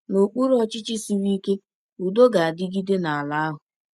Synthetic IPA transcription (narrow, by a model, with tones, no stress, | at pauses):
no˨k͡pu˦ɾɔ˦t͡ʃɪ˦t͡ʃɪ˦si˨ɾi˦i˦ke˦ | u˨do˦ɡa˨a˨dɪ˦ɡi˦de˦na˨a˨la˦a˦ɦʊ˨